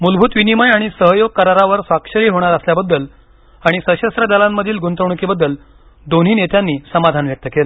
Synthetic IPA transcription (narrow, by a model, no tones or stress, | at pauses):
mulbʱuːt̪ʋinimajaɽ̃isəɦjoɡ̚kəɾaɾaʋəɾsʋakʂəɾiːɦoɽ̃aɾəsljabəd̪ːəl | aɽ̃isəɕəst̪ɾəd̪alamːəd̪ʱiːlɡunt̪əʋɳ̃ukibəd̪ːəl | d̪onɦiːnet̪janːiːsəmad̪ʱanʋjək̚t̪əkela